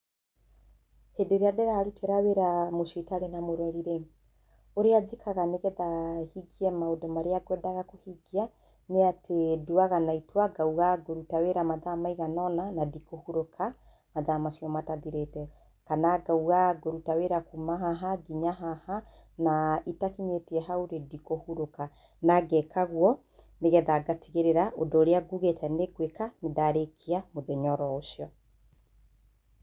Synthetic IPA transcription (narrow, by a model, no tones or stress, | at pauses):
hedeɾeadeɾaɾuteɾaweɾamoʃetaɾenamoɾwaɾiɾe | oɾead͡ʒekʰaɣaneɣɛðahiɡiɛmaodɔmaɾeaɡwɛdaɣakohiɡia | neatʰeduaɣanaitwaɡauɣaɡoɾutaweɾamaðamaiɣanɔnanadikohuɾokʰa | maðamasijɔmataðiɾetɛ | kanaɡauɣaɡoɾutaweɾakumaɦaɦaɡiɲaɦaha | naitakiɲetiɛɦauɾedikohuɾoka | naɡɛkʰaɣwɔ | neɣɛðaɡatiɣeɾeɾaʔodoːɾeaɡuɣetʰɛneɡwekaneðaɾekʰiamoðɛɲɔɾɔoʃjɔ